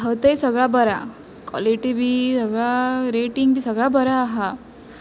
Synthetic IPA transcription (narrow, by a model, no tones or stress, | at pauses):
ɦət̪əjsəɡɭabəɾa | kwɔ̰liʈibʱisəɡɭaɾeʈiŋɡbʱisəɡɭabəɾaːɦa